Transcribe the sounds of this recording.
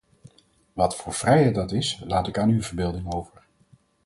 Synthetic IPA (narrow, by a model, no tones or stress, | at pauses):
ʋɑtfʊːɹv̥rɛjɦɛjt̚dɑtɪslaːtɪkaːnywvəɹbɪːlˠdɪŋowvəɹ